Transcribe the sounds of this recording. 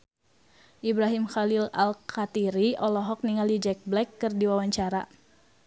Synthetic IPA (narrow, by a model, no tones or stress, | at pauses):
ʔibɾaɦimxalila̰lkʰat̪iɾiɔlɔɦɔk̚niŋalid͡ʒɛk̚blɛkːɨrdiwawaɲt͡ʃaɾa̰